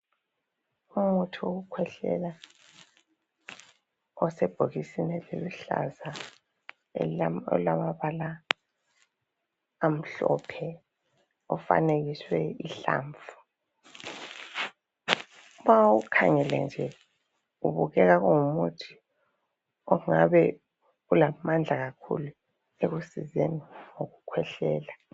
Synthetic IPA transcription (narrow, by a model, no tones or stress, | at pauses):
omutʰioɣukʰwɛɬɛ̰la | ɔsɛb̥ʱoɣisinɛleluɬa̰za | ɔ̰lamaβala | m̩ɬɔ̰pʰɛ | ɔfa̰neɣiswɛiɬa̰ːɱvu̥ | umawukʰa̰ŋɛlɛ̰nd͡ʒʱɛ | uβuɣɛɣaɣuŋumutʰi̥ | ɔŋaβɛ | ulamand͡ɮʱaɣakʰṵlu | eɣusizeniŋoɣukʰwɛɬɛːla